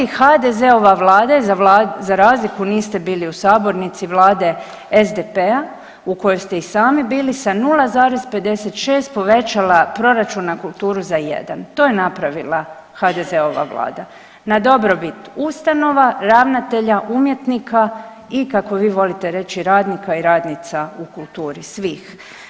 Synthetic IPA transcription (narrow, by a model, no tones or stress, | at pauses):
ixad̪ezeo̞ʋaʋlaːd̪azaazaɾaːzlikuniːst̪e̞biːliusaːbo̞ɾnit̪siʋlˠaːd̪e̞ | ezd̪epea | uko̞jojst̪e̞isaːmibiːlisanulazaːɾe̞zpe̞d̪e̞set̪ʃe̞ːst̪̚po̞ʋe̞t͡ʃalapɾo̞ɾat͡ʃunːakulˠt̪uːɾuzajḛd̪a̰nt̪o̞ːjenapɾaʋilˠa | xad̪ezeo̞ʋa̰ʋlˠa̰ːd̪a | nad̪o̞bɾo̞bit̪ust̪ano̞ʋaɾaːʋnat̪e̞ʎaʔumje̞t̪nikʰa | ikako̞ʋiːʋo̞lit̪eɾe̞t͡ʃiɾaːd̪nikaiɾaːd̪nit̪saukulˠt̪uːɾisʋiːx